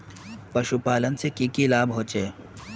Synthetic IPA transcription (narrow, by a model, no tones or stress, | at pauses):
pɐʃupaːlənsekiːkilaːbɦõːt͡ʃeː